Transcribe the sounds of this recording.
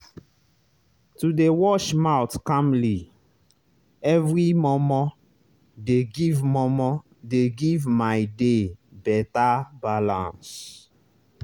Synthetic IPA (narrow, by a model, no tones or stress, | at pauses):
tudewɔʃmawtkãmli | ɛvɹimɔmɔ | deɡivmɔmɔ | deɡivmajdebɛtabalã̰ns